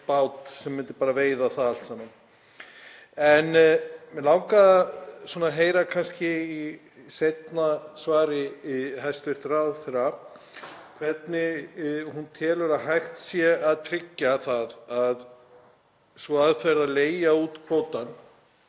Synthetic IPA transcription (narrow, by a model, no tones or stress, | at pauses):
pawt̪sɛmːɪnt̪ɪ̥paːɾaveːjðaθaalt̪saːman | ɛnmɛlaːwkaðasɔːnaɦeːjɾakʰanscɪi | sejt̪nasvaːɾɪiɦajst̪vɪɾ̥θɾawθɾa | kʰv̥ɛt̪nɪhunt̪ʰɛːlʏɾaðɦajxt̪sjɛaðt̪ʰɾɪcːaθaðað | svɔaðfɛɾðaleːjauːt̪kʰvoːwt̪an